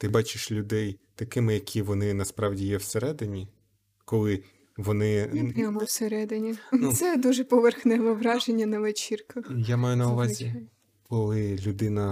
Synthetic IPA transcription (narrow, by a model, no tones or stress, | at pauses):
t̪ɪbɑt͡ʃɪʃlʲʊd̪ɛjt̪ɐkɪmɪjɐkʲʰiʋɔnɪnɐspɾɑwdʲijɛwseɾɛd̪ɪnʲi | kɔlˠɪ | ʋɔnɪpɾʲamɔwseɾɛd̪ɪnʲinsɛd̪uʒɛpɔʋerxnɛʋɔʋɾɑʒenʲːɐnɐʋet͡ʃirkɐxjamɑjʊnɐʊʋɑzʲi | kɔlˠɪlʲʊd̪ɪnɐ